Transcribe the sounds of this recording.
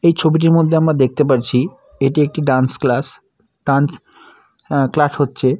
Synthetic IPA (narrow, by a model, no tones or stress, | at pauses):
ejt͡ɕʰobiʈ̬iɾmod̪ʱːeamɾad̪ek̚t̪ep̬aɾt͡ɕʰi | eʈiek̚ʈiɖansklas | ɖ̥ans | klashotːɕʰe